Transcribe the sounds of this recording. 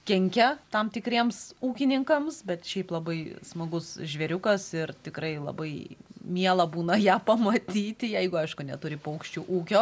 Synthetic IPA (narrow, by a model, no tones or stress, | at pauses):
kʲɛŋʲkʲɛt̪ɐmt̪ʲɪkɾʲiɛmsuːkʲɪnʲɪŋkɐmsbʲɛt̪ʃʲɛɪplˠɐbɐɪsmɐɡʊsʒʲʋʲɛɾʲʊkɐsɪrt̪ʲɪkɾɐɪlˠɐ̰bɐɪmʲiɛlˠɐbuːnɐjæːpɐmɐt̪ʲiːt̪ʲɪjɛɪɡʊɐɪʃkʊnʲɛt̪ʊɾʲɪpːɐʊkʃʲt͡ʃʲuːʔuːkʲoː